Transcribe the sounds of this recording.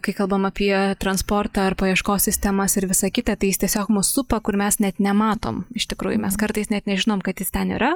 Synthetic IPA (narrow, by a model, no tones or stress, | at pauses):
kɐɪkɐlˠbɐmɐpʲiɛt̪ɾɐnspoːrt̪ɐːɐɾpoːjiɛʃkoːsʲsʲɪsʲt̪ʲɛmɐsɪɾʋʲɪsɐkʲɪt̪ɐt̪ɐɪjɪst̪ʲiɛsʲoːkmʊssʊpɐkʊɾmʲɛsnʲɛt̪nʲɛmɑːt̪o̰ːmɪʃt̪ʲɪkɾuːjʊmʲɛskɐɾt̪ɐɪsnʲɛt̪nʲɛʒʲɪnoːmkɐt̪jɪst̪ʲɛnḭːɾɐ